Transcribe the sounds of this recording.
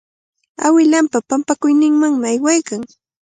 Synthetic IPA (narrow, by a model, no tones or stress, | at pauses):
awɪlampapampakʊjnɪŋmaŋmɪajwajkaŋ